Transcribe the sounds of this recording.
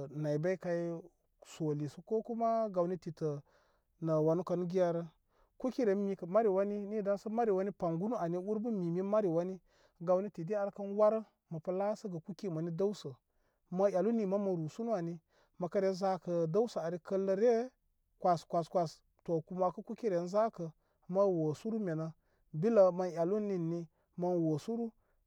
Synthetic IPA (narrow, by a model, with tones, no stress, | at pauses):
na˨i˨ba˦i˦ka˦i˦ | so˨li˨su˦ko˦ku˦ma˦ɡa˨wni˦ti˨tə˨ | nə˨wa˨nu˦kə˨n˦ɡi˦ja˦ɾə˦ | ku˦ki˦ɾe˨˦mi˨˦kə˨ma˦ɾi˨wa˦ni˦ni˦˨da˦nsə˦ma˦ɾi˨wa˦ni˦pa˨ŋɡu˦nu˦a˨ni˦wu˦ɾbə˦mi˨mi˦ma˦ɾi˨wa˦ni˦ | ɡa˨wni˦ti˨di˦a˨ɾkɐ˦nwa˦ɾə˦ | mɐ˨pə˦la˦sə˦ɡə˨ku˦ki˦˨ma˨ni˦da˦u˦sə˨ | ma˦ja˨lu˦ni˨ma˦mɐ˨ɾu˨su˦nu˦a˨ni˦ | mɐ˨kə˦ɾe˨˦n˦za˦kə˨da˦wsə˨a˨ɾi˦kə˦lːə˦ɾe˦ | kʷa˨skʷa˨skʷa˨s | to˨ku˨ma˨kə˦ku˦ki˦ɾe˨˦n˦za˦kə˨ | ma˦wo˨su˦ɾu˦mʲe˨na˨ | bi˦lə˨ma˨nja˨lu˦ni˦˨nːi˦ | ma˦nwo˨su˦ɾu˦